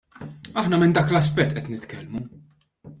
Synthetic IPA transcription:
ɐħnɐmɪnd̪ɐːklɐs̬pɛt̪ːʔɛt̪nɪt̪kɛlmu

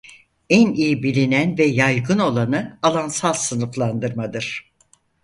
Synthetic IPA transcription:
ænijibilʲinænvɛjajɡɯno̞lˠanɯalˠansalˠsɯnɯflˠand̪ɯɾmad̪ɯɾ̥

